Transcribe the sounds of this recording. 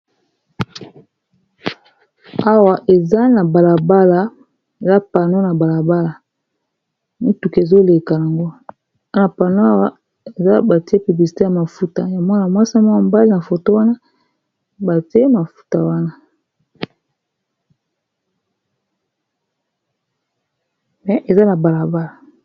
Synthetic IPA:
a˦wa˨ʔe˨za˦na˨ba˨la˨ba˦la˨ | e˨za˦pa˨no˦na˨ba˨la˨ba˦la˨ | mi˦tu˨ke˨zo˦le˨ka˨ja˨ŋɡo˦ | a˦na˨pa˨no˦a˦wa˨ | e˨za˦ba˨ti˦e˦py˨bli˨si̥˨te˦ja˨ma˨fu˦ta˨ja˨mɔ˦a˨mwa˦sa˦mɔ˦a˨mba˦li˦na˨fo˨to˦wa˦na˦ | ba˨ti˦e˦ma˨fu̥˦ta˨wa˦na˦ | mɛ˨ʔe˨za˦na˨ba˨la˨ba˦la˨

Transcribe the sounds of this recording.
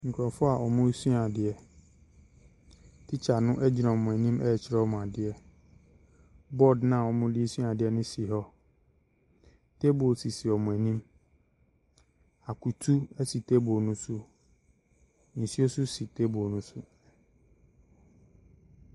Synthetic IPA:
ŋ̩˨kʰɾɔ˨fʊ˦a˨ʔɔ˨mʊ̃˦su˦a˨dɪ˨ɛ˨ | tʰɪ˦t͡ɕʰa˨nʊ̃˦ʔɛ˦d͡ʑɪ˨nã˨ɔ˨mʊ̃˨æ˨nĩ˦mɛ˦˨t͡ɕʰɪ˨ɾɛ˦ɔ˦mʊ̃˨a˨dɪ˨ɛ˨ | bɔ˦˨dnã˦˨ɔ˨mʊ̃˦di˦e˦sɥa˨dɪ˨ɛ˦nɪ̃˦si˨ɦɔ˦ | tʰe˦bo˨si˨si˨ɔ˨mʊ̃˨æ˨nĩ˦m | a˨kʰu˨tʰu˦ɛ˦si˨tʰe˦bo˨nʊ̃˦sʊ˦ | n̩˨si˦o˦sʊ˦si˨tʰe˦bo˨nʊ̃˦sʊ˦

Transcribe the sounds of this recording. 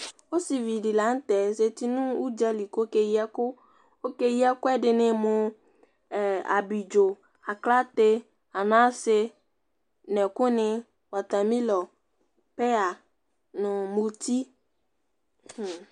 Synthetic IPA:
o˦si˨vi˨dɪ˨la˨˦n̩˦tɛ˨se˨ti˦nʊ̃˦u˦d͡ʒa˦li˨ko˦ke˦ji˦a˦kʊ˦ | o˦ke˦ji˦a˦kʊ˦ɛ˦dɪ˨nɪ̃˨mʊ˨ | a̰˨bi˨d͡ʒo˨ | a˨kla˦te˦ | a˨nã˦sɪ˦ | nɛ˨kʊ˦nɪ˦ | wa˨ta˨mĩ˦lɔ˨ | pɛ˦a˨ | nʊ̃˨mu˨ti˦˨

